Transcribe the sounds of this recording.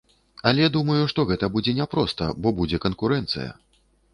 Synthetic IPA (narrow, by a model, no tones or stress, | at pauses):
ɐlʲɛd̪umɐjuʂt̪ɔɣɛt̪ɐbud͡zʲɛnʲɛpɾɔst̪ɐ̰bɔbud͡zʲɛkɐnkuɾɛnt̪sɨ̰jɐ̰